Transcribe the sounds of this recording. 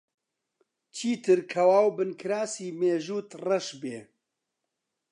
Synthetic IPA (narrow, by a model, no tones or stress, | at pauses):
t͡ʃʰiːt̪ʰɨɾkʰɐwaːwbɨnkʰɨɾaːsiːmeːʒuːt̪rɐʃbeː